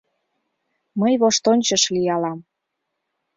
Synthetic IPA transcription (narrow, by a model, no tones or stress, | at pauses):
məjβoʃt̪onʲt͡ɕəʃlijɑlɑm